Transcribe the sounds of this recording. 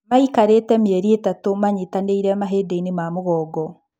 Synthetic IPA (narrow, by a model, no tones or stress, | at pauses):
maikaɾetɛmeɛɾietatomaɲetaneiɾɛmaɦeːdeinemamoɣɔːɡɔ